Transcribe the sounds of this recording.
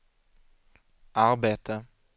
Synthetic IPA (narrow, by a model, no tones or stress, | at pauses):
ʔaɾbeːt̪ʰə